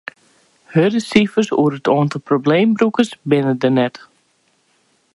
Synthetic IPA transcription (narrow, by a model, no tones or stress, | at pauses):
hødəsifəsṵəɾətʰoːəntəprobleːmbrukəsbɪnədənɛt